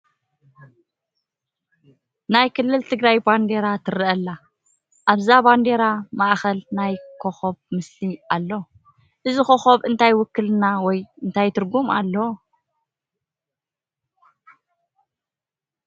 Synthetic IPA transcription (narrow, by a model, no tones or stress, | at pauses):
najkʰɨlːɨlt̪ʰɨɡɾajband̪e̞ɾat̪ʰɨɾɨʔɐlːa | ʔaβzaband̪e̞ɾamaʔxɐlnajkʰoxoβmɨsliʔalːo | ʔɨzixoxoβɨnt̪ʰajwʊkːɨlnawɔjɨnt̪ʰajt̪ʰɨɾɡuma̰lːo